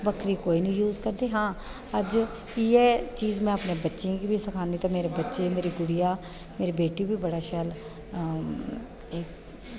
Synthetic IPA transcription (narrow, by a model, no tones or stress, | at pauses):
bəkɾiːkoːiːnĩːjuːzkəɾd̪eːɦãː | əd͡ʒ | iːɛːt͡ʃiːzmɛ̃ːəpnẽːbətːʃẽːɡiːbiːsəkʰaːniːt̪ãːmeːɾeːbətːʃeːmeːɾiːɡʊɽijaː | meːɾiːbeːʈiːbʱiːbəɽaːʃəl | eːk